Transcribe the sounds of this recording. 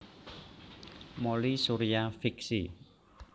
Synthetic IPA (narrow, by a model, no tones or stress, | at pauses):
molisuɾijafiksi